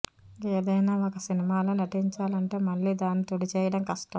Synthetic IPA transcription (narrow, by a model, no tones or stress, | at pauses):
eːd̪ɐjnaːokɐsinimaːloːnɐʈiɲt͡ʃaːlɐɳʈe̞ːmɐɭːiːd̪aːnːit̪uɽit͡ʃɛːjɐɽɐmkɐʂʈɐm